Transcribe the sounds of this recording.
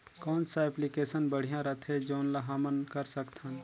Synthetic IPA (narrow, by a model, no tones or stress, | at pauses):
kɔːnsaeplikeːsənbəɽ̤ijãɾət̪ʰed͡ʒoːnlaɦamənkəɾsəkt̪ʰən